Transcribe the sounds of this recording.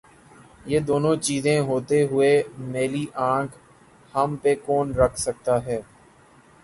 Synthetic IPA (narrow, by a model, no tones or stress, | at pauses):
jeːd̪oːnõt͡ʃiːzẽɦoːt̪eɦʊemeːliʔãːkʰ | hɐmpekɔːnɾəkʰsək̚t̪aɦɛː